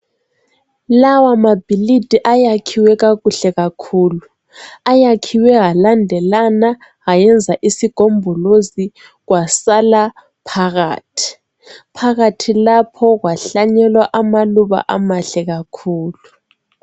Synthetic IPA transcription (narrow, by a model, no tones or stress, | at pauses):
lawamab̥ʱilid̥ʱiʔajakʰiwɛɣaɣuɬɛɣakʰuːlu | ajakʰiwɛɦalandʱɛlana | ɣajɛnd͡zʱaʔisiɡ̥ʱombʱɔlozi | ɣwasala | pʰaɣa̰ːtʰi̥ | pʰaɣatʰilapʰɔɣwaɬaɲɛlwaʔamaluβa̰ʔamaɬɛɣakʰuːlu